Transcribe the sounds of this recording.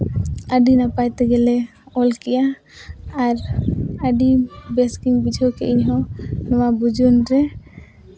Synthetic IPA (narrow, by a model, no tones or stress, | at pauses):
əɖinapajt̪ɛɡɛlɛ | ɔlkɛjaː | ɾəɖibeskiŋbid͡ʒʱɔkɛʔiɲɦɔ̃nɔwabud͡ʒunɾɛ